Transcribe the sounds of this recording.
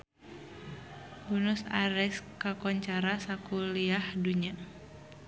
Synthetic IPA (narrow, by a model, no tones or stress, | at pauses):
bunʊsaɾɛskakɔɲt͡ʃaɾasakuliahduɲa